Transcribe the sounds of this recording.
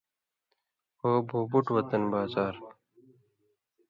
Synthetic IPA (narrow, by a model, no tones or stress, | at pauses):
oːbʱuːbuʈwɐt̪ɐnbaːzaːɾ